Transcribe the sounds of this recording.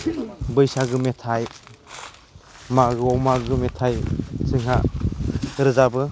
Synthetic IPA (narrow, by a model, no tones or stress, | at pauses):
bɯjsaɡɯmetʰaj | maɡɯɔwmaɡɯmɛtʰajsʰɯŋɦa | ɾɯzabɯ